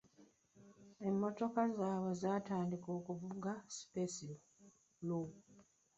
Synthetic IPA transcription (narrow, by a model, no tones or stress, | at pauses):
e̞mːo̞to̞kazaːβwe̞zaːtaːndiko̞ːkuvuɡasi̥pesi | lo